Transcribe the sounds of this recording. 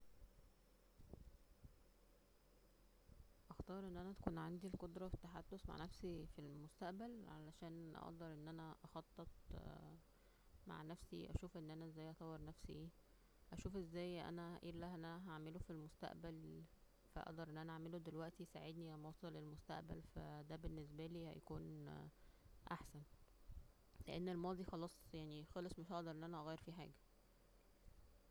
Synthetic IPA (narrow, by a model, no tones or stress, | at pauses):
ʔɑxt̪ɑːɾˤʔenːʔænæt̪æ̥kuːnʕand̪ilqod̪ɾˤɑfet̪ːaħad̪ːosma̰ʕnæfsifilmost̪æʔbælʕalæʃæːnʔɑ̰ʔd̪ɑɾˤʔenːʔænæʔɑxɑt̪ˤːet̪̚ˤ | ma̰ʕnæfsḭʔæ̰ʃuːfʔenːʔænæezːæːjʔɑt̪ˤɑwːeɾˤnæfsḭʔ | ʔæʃuːfʔezːæːjʔæ̰nææʔḭːlːæhnæɦaʕmelofilmost̪æ̰ʔbæl | fæ̰ʔɑ̰ʔd̪ɑɾˤʔenːʔænæʔaʕmelod̪elwæʔt̪isaʕed̪nijæmɑːsˤɑlelmost̪æ̰ʔbæ̰lfæ̰d̪æbenːes̬bæliːhæ̰jækuːn | ʔa̰ħsæn | lḛʔenːelmɑːd̪ˤixɑlɑːsˤjaʕnixɑlesˤmeʃʔɑʔd̪ɑɾˤʔenːʔænæʔɑɣæjːeɾfiːħa̰ːɡæ